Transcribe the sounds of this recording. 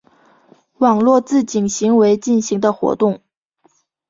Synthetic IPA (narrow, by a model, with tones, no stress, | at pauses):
wɑ˨˩ŋlwɔ˥˧t͡sɹ̩˥˩t͡ɕi˨˩ŋɕi˧˥ŋwe˧˥ɪt͡ɕi˥˩nɕi˧˥ŋd̪ə˧xwɔ̰˧˥t̪ʊ˥˩ŋ